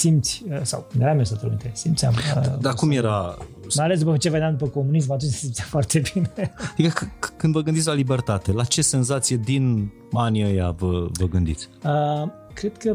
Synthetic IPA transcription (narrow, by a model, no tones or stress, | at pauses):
simt̪sʲəsa̰wkɨnd̪eɾamiost̪at̪eluint̪esimt̪sʲa̰mə̰d̪akumjeɾamajalesd̪upət͡ʃe̞ved̪eamnd̪up̬əko̞munis̬mat̪unt͡ʃsimt̪sʲafoart̪ʰe̞binefikəkkɨnd̪vəɡɨnd̪it̪sʲlalibert̪at̪e̞lat͡ʃese̞nzat̪sije̞d̪in | aniəjavəvəɡɨnd̪it̪sʲə | kɾed̪̥kə